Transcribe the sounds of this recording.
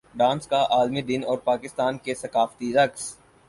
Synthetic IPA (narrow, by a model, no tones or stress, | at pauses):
ɖãːnskaʔaːlmid̪ɪnɔːɾpaːkɪst̪aːnkesɐkaːft̪iɾɐks